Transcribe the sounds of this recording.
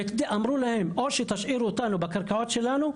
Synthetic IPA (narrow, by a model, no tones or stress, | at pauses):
t̪d̪iʔamɾulahemʔoʃet̪aʃʔiɾut̪anubakaɾkaʕot̪ʃelanu